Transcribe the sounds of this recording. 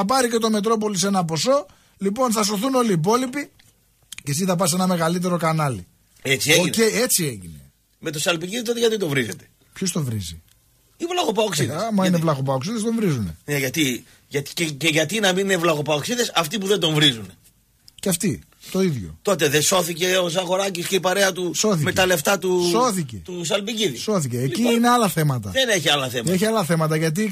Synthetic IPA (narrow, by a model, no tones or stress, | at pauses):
ɐpɐɾice̞t̪o̞me̞t̪ɾo̞po̞lis̬e̞nɐp̬o̞so̞ | lipo̞nθɐs̬o̞θuno̞liːp̬o̞lipi | cesiθɐp̬ɐs̬e̞nɐme̞ɣɐlit̪̬e̞ɾo̞kɐnɐlḭ | et͡sieoce̞ie̞t͡sie̞ʝine̞̰ | met̪osɐlpiɣiðit̪ot̪eʝɐt̪it̪ovɾizet̪e̥ | pçost̪o̞vɾizḭ | ivlɐɣopɐoksiðeɐmɐinevlɐɣopɐoksiðe̞st̪o̞ɱvɾizunḛneʝɐt̪i | ʝɐt̪i̥eceʝɐt̪inɐminnevlɐɣo̞pɐoksiðesɐft̪ipuðend̪o̞ɱvɾizune | ceɐft̪i | t̪o̞iðʝo̞̰t̪o̞t̪̬eðeso̞θice̞os̬ɐɣo̞ɾɐcisceipɐɾe̞ɐt̪uso̞θime̞t̪ɐle̞ft̪ɐt̪uso̞θicet̪usɐlpiciðiso̞θiceːciineɐlɐθe̞mɐt̪ɐeneçiɐlɐθemɐeçiɐlɐθe̞mɐt̪ɐʝɐt̪̬i